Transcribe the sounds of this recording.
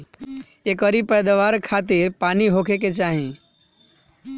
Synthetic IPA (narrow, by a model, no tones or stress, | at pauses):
ekəɾipɛjd̪aʋaɾkʰaːt̪iɾpaːniɦokʰeket͡ʃaɦĩ